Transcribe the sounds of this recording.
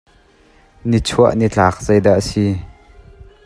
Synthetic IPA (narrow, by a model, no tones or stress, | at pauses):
nit͡sʰuəʔnit͡ɬaːk̚z̥ɐjdaʔasi